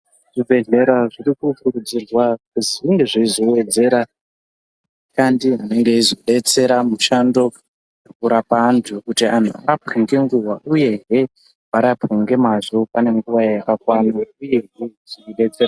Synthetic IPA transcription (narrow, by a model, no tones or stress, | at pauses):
ʐ̥ibʱe̞ɮe̞ɾaʐirikukuɾud͡zirwakuziʐiŋɡe̞ʐiizowe̞d͡ze̞ɾa | ikandiɦane̞ŋɡe̞izoɗe̞t͡se̞ɾamuʃando̞ | rokuɾapaːntʰukutia̰n̤ua̰kapiŋɡe̞ŋɡuwaʔuje̞ɦe | ʋaɾapeŋɡe̞mazo̞pane̞ŋɡuʋajjakakwanaujeɦuziriɗe̞t͡se̞ɾa